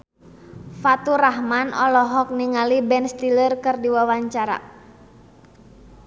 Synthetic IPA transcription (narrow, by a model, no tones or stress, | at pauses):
fat̪uɾaɦmanɔlɔɦɔk̚niŋalibɛnst̪ilərkɨrdiwawaɲt͡ʃaɾa̰